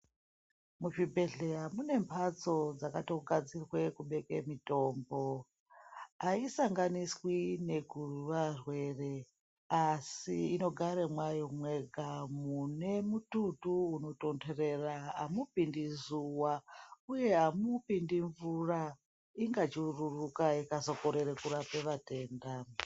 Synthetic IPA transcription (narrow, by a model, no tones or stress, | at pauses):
muʐibʱe̞ɮeamune̞mpʰat͡so̞d͡zakatoɡʱad͡zirwe̞kuɓe̞kḛmito̞ːmbo̞ | aisaŋɡaniswine̞ɡʱururarwe̞re̞ | asiino̞ɡʱaɾemwajo̞mweɡʱamune̞mututuuno̞to̞ndere̞raɦamupindizuwauje̞ɦamupindiɱvura | iŋɡat͡ʃiururukaikazo̞ko̞ɾe̞ɾekurapeʋate̞ːnda